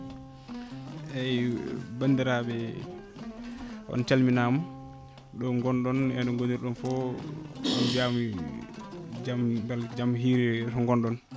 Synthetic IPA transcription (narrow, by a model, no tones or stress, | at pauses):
ɛjbandiɾabɛ | ʔɔ̰nt͡ʃalminamu | ɗɔŋɡɔnɗɔnɛnɔŋɡoniɾɗɔnfɔ | ɗɔnd͡ʒam | d͡ʒamɡald͡ʒamɦiːɾɛsɔŋɡɔnɗɔn